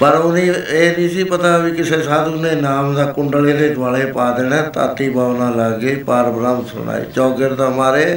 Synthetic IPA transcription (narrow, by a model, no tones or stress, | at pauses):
pəɾʊnĩːeːnĩːsiːpət̪aːʋiːkɪseːsaːd̪ʊneːnaːmd̪aːkʊɳɖəleːleːd̪ʱʋaːleːpaːd̪eːnɛ̃ːt̪a̰ːt̪ːiːbaːʋnãːləɡːəiːpaːɾbɾãːmsʊ̰ɽa̰ːḭːt͡ʃɔːɡɪʈd̪aːmaːɾeː